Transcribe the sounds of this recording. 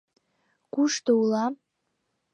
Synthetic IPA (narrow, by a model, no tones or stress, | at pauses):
kuʃt̪oulɑ